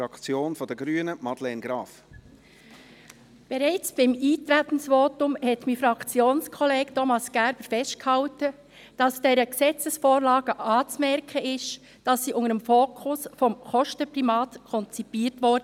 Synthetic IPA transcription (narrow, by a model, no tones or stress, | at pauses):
ɑkt͡sjoːnfɔd̥əɡɾyːənəmɑdlɛnɡɾɑːf | b̥ɛɾaɪt͡sb̥ɪmiːtɾætn̩sʋoːtʊmhɛtmifɾɑkt͡sjoːnskʰɔleːɡtʰɔmɑsɡ̥æɾb̥əɾfɛst̚khɑltə | d̥ɑsd̥eːɾəksɛt͡səsfoːɾlɑːɡ̥əʔɑːt͡smɛɾkʰəɪʃ | d̥ɑsːiːʔʊŋəɾəmfoːkʰʊsfɔmχɔʃtəpʁimɑːtkʰɔnt͡sipiːɾtʋɔɾdə